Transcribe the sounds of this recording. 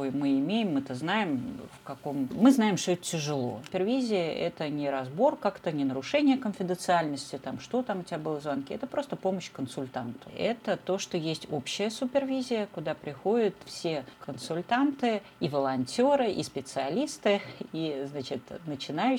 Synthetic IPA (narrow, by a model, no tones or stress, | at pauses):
ojmɨɪmʲejɪmːɨt̪əznajɪmfkɐkommɨznaɪmʂt̪oɛt̪ə̥tʲɪʐɨlˠo̞̰ʊpʲɪrvʲizʲɪəʔɛt̪ənʲɪɾɐzbo̞rkakt̪ənʲɪnəɾʊʂɛnʲɪjəkənfʲɪd̪ənt̪sɨalʲnəsʲtʲɪt̪amʂt̪o̞t̪amʊtʲɪvʲabɨlˠəzvankʲiɛt̪əpɾo̞st̪əpo̞məɕkənsʊlʲt̪ant̪ə̥ɛt̪ət̪o̞ʂt̪ojesʲtʲopɕːɪjəsʊpʲɪrvʲizʲɪjəkʊd̪apɾʲɪxo̞dʲɪt̪fsʲekənsʊlʲt̪ant̪ɨ | ivəlˠɐnʲtʲo̞ɾɨʔḭspʲɪt̪sɨɐlʲist̪ɨiznat͡ɕɪt̪nət͡ɕɪnaj